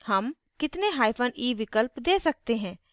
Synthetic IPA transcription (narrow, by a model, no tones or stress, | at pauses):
həm | kɪt̪neɦaːipʰəniːʋɪkəlpd̪eːsɐk̚t̪eɦɛ̃ː